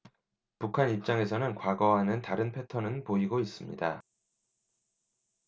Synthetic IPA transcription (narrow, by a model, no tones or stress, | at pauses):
pukʰanip̚t͡ɕ͈aŋe̞sʰʌnɯnkwaɡʌɦanɯntaɾɯnpʰe̞tʰʌnɯnpoiɡois͈ɯmɲḭda